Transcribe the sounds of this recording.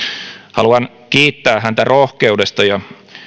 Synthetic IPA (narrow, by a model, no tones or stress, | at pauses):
hɑ̰luɑn | kiːt̪ːæːɦænt̪ærʔohkeudest̪ɑjɑ